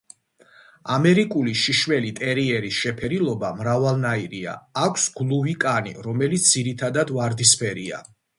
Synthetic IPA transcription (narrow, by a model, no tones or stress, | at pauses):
amɛɾikʼuliʃiʃwɛlit̪ʼɛɾiɛɾisʃɛpʰɛɾilˠɔbamɾavalˠnaiɾia̰ːkʷʰsɡ̥lˠuvikʼanḭɾɔmɛlit̪s̚d̪ziɾit̪ʰad̪ad̪vaɾd̪ispʰɛɾia̰